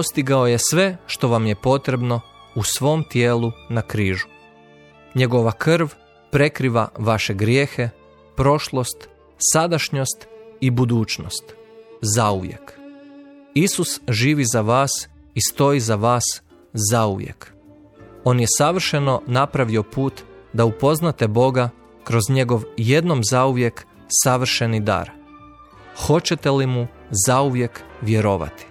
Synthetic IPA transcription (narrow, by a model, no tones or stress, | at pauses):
post̪iɡao̞je̞sʋe̞ʃt̪o̞ʋamje̞po̞t̪ɾe̞bno̞usʋo̞mt̪jeːlˠunakɾiːʒu̥ | ɲeɡo̞ʋakr̩ʋ | pɾe̞kɾiʋa̰ʋaʃe̞ɡɾje̞ːxe̞ | pɾo̞ʃlˠo̞st̪ | sad̪aʃɲo̞st̪ibud̪uːt͡ʃno̰st̪zauʋjḛk | isusʒiːʋizaʋaːs | ist̪o̞izaʋaːs | zauʋjḛk | o̞ːnje̞saʋr̩ʃe̞no̞napɾaʋio̞puːt̪d̪aupo̞znat̪ebo̞ɡa | kɾo̞zɲe̞ɡo̞ʋje̞d̪no̞mzauʋje̞k | saʋr̩ʃe̞nid̪a̰ɾ | xo̞t͡ɕe̞t̪e̞limu | zauʋje̞kʋje̞ɾo̞ːʋa̰t̪i̥